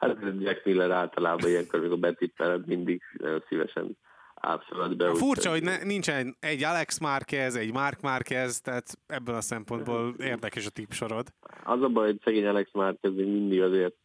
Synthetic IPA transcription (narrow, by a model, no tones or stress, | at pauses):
hat̪ɛd͡ʒɛknilːɛɾaːlt̪ɒlaːbɒijɛŋkoːɾmikoɾbɛt̪ipnɛ̰lɛt̪mind̪iɡnɛ̰jonsivɛ̰ʃɛ̰n | a̰ːpsølɔd̪bɛufurt͡ʃɒɦo̞ɟnɛnint͡ʃɛnɛɛɟːalɛksmaːrkɛzɛɟmarkmaːrkɛzt̪ɛɦat̪ɛbːølɒsɛmpo̞nd̪boːleːrd̪ɛkɛʃɒt̪ipʃo̞ɾo̞d̪ɒ̰zɒbɒjhocsɛɡeːɲɑlɛksmaːrt̪̚kɛzmeːɡmind̪iɡzeːrt̪̚